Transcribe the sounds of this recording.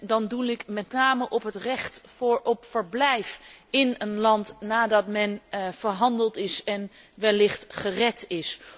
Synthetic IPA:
dɑndulɪkmɛtnaːməʔɔpɦətrɛχtfɹɔpfəɹblɛjfɪnənlɑntnaːdɑtmɛnv̥əɹɦɑndəlˠtɪsɛn | ʋɛlɪχtχərɛtɪs

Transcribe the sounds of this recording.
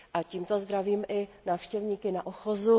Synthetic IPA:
ʔaciːmt̪ozd̪ɾaviːmʔɪnaːfʃcɛvɲiːkɪnaʔoxozu

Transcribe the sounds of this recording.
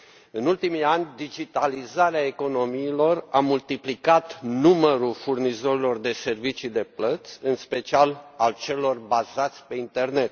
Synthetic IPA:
ɨnult̪imianʲd̪id͡ʒit̪alizaɾeae̞ko̞no̞miːlo̞ramult̪iplikat̪numəɾulfurnizo̞ɾilo̞rd̪e̞se̞rvit͡ʃid̪e̞plət̪sʲɨnspe̞t͡ʃialalt͡ʃe̞lo̞rbazat̪sʲpe̞int̪e̞rne̞t̪̚

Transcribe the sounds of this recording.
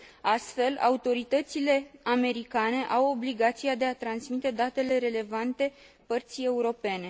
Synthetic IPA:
ast̪fe̞la̰ut̪o̞ɾit̪ət̪sile̞ame̞ɾikane̞ʔawo̞bliɡat̪siad̪e̞at̪ɾansmit̪e̞d̪at̪e̞le̞ɾe̞le̞vant̪e̞pərt̪sie̞uɾo̞pe̞ne̞

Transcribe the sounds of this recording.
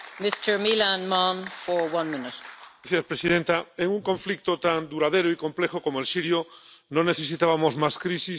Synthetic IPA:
mɪstə˞milãnmɑ̃nfə˞wʌ̃nmɪ̃nɪteθiaspɾesiðẽnt̪aeŋũŋkoɱflik̚t̪ot̪and̪uɾaðeɾoikõ̞mplexokomoelsiɾjonõneθe̞sit̪aβamozmaskɾisi

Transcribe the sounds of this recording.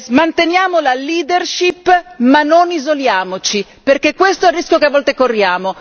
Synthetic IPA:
mant̪enjaːmolaliːd̪erʃipːmanːonizoljaːmot͡ʃi | perkekːwest̪oɛrːiskjokeavːɔlt̪ekorːjaːmo

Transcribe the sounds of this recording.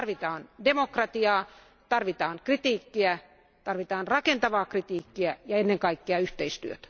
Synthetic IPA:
rʋit̪ɑːndemokrɑt̪iɑː | t̪ɑrʋit̪ɑːŋkrit̪iːkːiæ | t̪ɑrʋit̪ɑːnrɑkent̪ɑʋɑːkrit̪iːkːiæjɑenːeŋkɑikːeɑyht̪eist̪yø̰t̪æ̥

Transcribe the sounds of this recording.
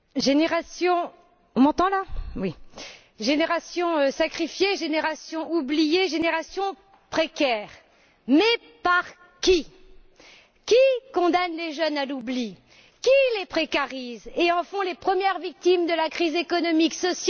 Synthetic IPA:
ʒeneʁasjɔ̃ | ɔ̃mɑ̃t̪ɑ̃lawi | ʒeneʁasjɔ̃øsakχifjeʒeneʁasjɔ̃ublijeʒeneʁasjɔ̃ | pχekʲɛːʁ | mɛ | paʁ | kʲi | kʲikɔ̃d̪anleʒœnalubli | kʲilepχekaʁizeɑ̃fɔ̃lepχəmjɛʁvik̚t̪imd̪əlakχizekɔnɔmiksɔsj

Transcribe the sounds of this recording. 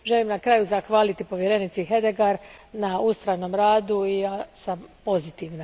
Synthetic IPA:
ʒe̞limnakɾaːjuzaxʋaːlit̪ipo̞ʋje̞ɾenit̪siɦe̞d̪e̞ɡaɾnaust̪ɾano̞mɾaːd̪uijaːsampo̞zit̪iʋna

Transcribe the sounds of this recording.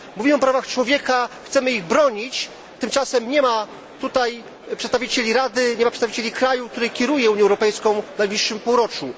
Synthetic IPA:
muvʲimɘɔpɾavaxt͡ʂwɔvʲjɛkaxt̪sɛmɘiɣbɾɔɲit͡ɕ | t̪ɘmt͡ʂasɛmɲɛma | t̪ut̪aj | pʂɛt̪t̪avʲit͡ɕelʲiɾad̪ɘɲɛmapʂɛt̪vit͡ɕelʲikɾajuk̚t̪uɾɛjkʲɛɾujɛuɲjɛwɾɔpɛjskɔ̃w̃vnajblʲiʂːɘmpuwɾɔt͡ʂu

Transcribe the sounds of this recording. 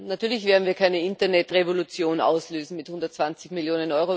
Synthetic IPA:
natʰyːɐlɪçv̥eːɐdn̩viːɐkʰaɪnəɪntɐnɛtʁevolut͡sjoːna̰ʊsløːzn̩mɪthʊndɐtt͡sv̥ant͡sɪçmiɪljoːnənɔʏʁo

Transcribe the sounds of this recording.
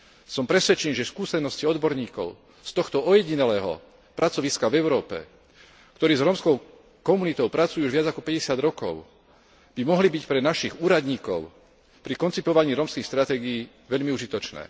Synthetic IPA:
sɔmpɾɛsʋɛt͡ʃɛniʒɛskuːsɛnɔsciɔd̪bɔɾɲiːkɔ̰ʊ | st̪ɔxt̪ɔɔjɛɟinɛlɛːɦɔ̰ | pɾat͡sɔʋiskavɛʊɾɔːpɛ̰ | kt̪ɔɾiːzɾɔːmskɔʊ | kɔmunit̪ɔʊpɾat͡sujuuʒʋɪad͡zakɔpɛɟɛsɪad̪ɾɔkɔ̰ʊ | b̥imɔɦlibicpɾɛnaʃiɣuːɾad̪ɲiːkɔʊ | pɾikɔnt͡sipɔʋaɲiːɾɔmskixst̪ɾat̪ɛːɡijiː | ʋɛʎmiuʒit̪ɔt͡ʃnɛ̰ː

